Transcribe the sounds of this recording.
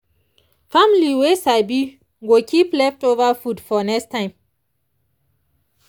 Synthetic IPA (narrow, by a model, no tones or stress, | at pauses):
famliwesabi | ɡokʰiplɛftovəfudfɔnɛkstãɪ̃m